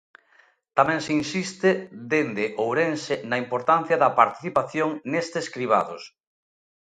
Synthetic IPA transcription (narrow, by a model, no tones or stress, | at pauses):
t̪amɛ̃ŋsinsist̪ɪðend̪eʔowɾensɪnɐimpoɾt̪an̟θjɐðɐpaɾt̪i̥θipaθjoŋnest̪eskɾiβ̞a̰ðo̰s